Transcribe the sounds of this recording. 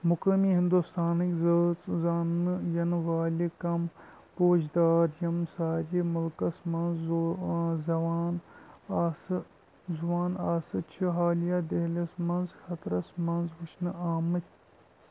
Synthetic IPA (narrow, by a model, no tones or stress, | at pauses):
mukɐmiɦind̪ust̪ʰaːnɨkʲzəːt͡szaːnɨjɐnʋaːlʲikɐm | poːd͡ʒd̪aːɾjɐmsaːɾimɐlkɐsmɐnz | zɐʋaːnː | s | zuʋaːnaːsɨt͡ʃʰiɦaːljaːd̪eɦlɐsmɐnzxɐt̪ɾɐsmɐnzʋut͡ʃʰnɨaːmɨt̪ʲ